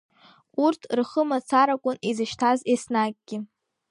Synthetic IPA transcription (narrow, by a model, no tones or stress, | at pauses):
urtʰrχəmat͡sʰaɾakʷʼʊnizɨʃtʰazesnaɡ̚ʼɡ̥ʲɪ